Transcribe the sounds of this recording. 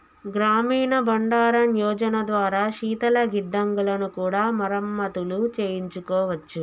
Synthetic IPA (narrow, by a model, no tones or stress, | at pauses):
ɡɾaːmiːnɐbɐɳɖaːɾɐnjɔːd͡ʒɐnɐd̪ʋaːɾaːʃiːt̪ɐlɐɡiɖːɐŋɡulɐnukuːɽaːmɐɾɐmːɐt̪ulut͡ʃeːjiɲt͡ʃukɔːʋɐt͡ʃːu